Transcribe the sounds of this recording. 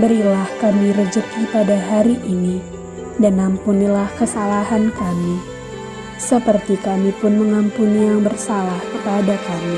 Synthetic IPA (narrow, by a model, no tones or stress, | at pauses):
bəɾilahkamiɾəd͡ʒəkipadaɦaɾiʔini | danampunilahkəsalaɦankami | səpərt̪ikamipʊnməŋampunijaŋbərsalahkəpadakami